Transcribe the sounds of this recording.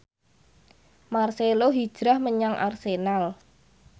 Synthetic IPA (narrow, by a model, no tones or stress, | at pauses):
marseloɦid̥ʒ̥ɾahməɲaŋʔa̰rsenal